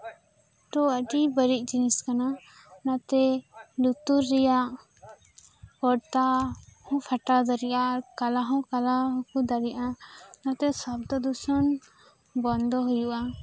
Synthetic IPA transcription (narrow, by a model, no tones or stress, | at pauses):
ʈɔəɖibəɾic̪̚ˀd͡ʒiniskana | nat̪ɛlut̪uɾːɛjaʔ | kɔɽt̪ahɔ̃pʰaʈad̪ɔɾijaʔkalaɦɔ̃kalaɦkud̪aɾiʔanat̪ɛsab̚d̪ɔd̪usɔn | bɔnd̪ʱɔɦujuʔa